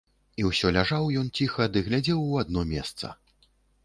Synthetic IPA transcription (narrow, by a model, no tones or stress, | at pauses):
iwsʲɔlʲaʐawjɔnt͡sʲixɐd̪ɨɣlʲad͡zʲɛwad̪̚nɔmʲɛ̰st̪sɐ̰